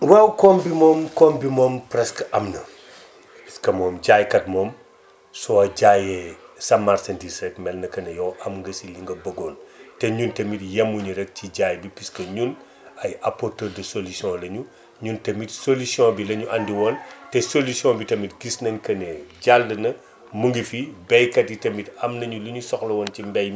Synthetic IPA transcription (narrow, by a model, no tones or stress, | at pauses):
wɛwkɔmbimɔːmkɔmbimɔːmpɾɛskʔɐmnɐ | piskɐmɔːmɟajkɐt̚mɔːm | sɔɐɟajɛsɐmːaɾsɐndisɾɛkmɛlnɐkɐnɛjɔʔɐmŋɡɐsiliŋɡɐbɐɡɔːntɛɲuntɐmitjɐmːuɲuɾɛk̚ciɟaːjbipiskɐɲun | ɐjɐpɔrtədɐsolusjɔ̃lɐɲu | ɲuntɐmitsolusiɔ̃bilɐɲuʔɐndiwɔːntɛsolusiɔ̃bitɐmitɡisnɐɲkɐnɛɟaldɐnɐ | muŋɡifibɛjkɐtjitɐmitɐmnɐɲuluɲusɔxlɐwɔncimbɛj